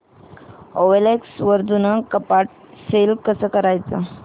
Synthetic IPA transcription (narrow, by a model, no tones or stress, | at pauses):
oʋeleksʋəɾd̪unəkəpaʈ̚selkəsəkəɾajt͡sə